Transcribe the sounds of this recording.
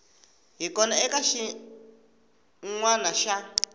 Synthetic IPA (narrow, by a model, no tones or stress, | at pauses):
ɦikɔnaɛkaʃi | ŋwanaʃa